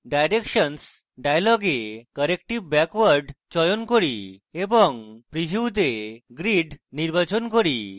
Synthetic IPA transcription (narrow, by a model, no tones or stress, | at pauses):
ɖajɾekʃɔns | ɖajlɔɡekəɾekʈibbɛkwaɾɖt͡ɕɔjonkoɾieboŋpɾibʱiwt̪eɡɾiɖniɾbat͡ɕonkoɾi